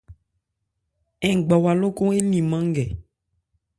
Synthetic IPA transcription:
ɛ˨ɡ͡bɔ˨wa˨lo˦ko˦e˦lĩ˨mã˦ŋ˦ɡɛ˨

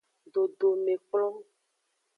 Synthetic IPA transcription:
ɖo˨ɖo˨me˨k͡plɔ̃˦

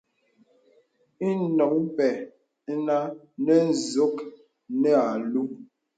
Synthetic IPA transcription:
i˦nɔ˨km̩˦pɛ˨˦ | na˦ | nɛ˦n̩˨zo˦k | nɛ˦a˨lu˦

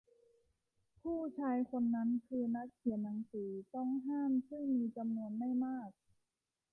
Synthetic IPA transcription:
pʰuː˥˩t͡ɕʰaː˧˥jkʰo˧nːa˦˥nkʰɯː˧na˦˥k̚kʰi˨˩˦ənːa˧ŋsiː˨˩˦t̪ɔ˥˩ŋɦaː˥˩msɯ˥˩ŋmiː˧t͡ɕa˧mnu˧ənma˥˩jmaː˥˩k̚

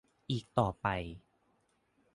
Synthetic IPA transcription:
ʔiː˨˩k̚t̪ɔː˨˩pa˨j

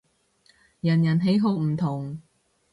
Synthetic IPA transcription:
jɐ˨˩njɐ˨˩nɦe˨˥jɦo˧wm̩˨˩t̪ʰʊ˨˩ŋ

